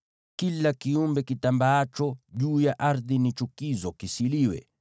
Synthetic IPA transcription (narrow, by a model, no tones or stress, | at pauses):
kilakiumbɛkitambaat͡ʃɔʄuːjaʔaɾðinit͡ʃukizɔkisiliwɛ̰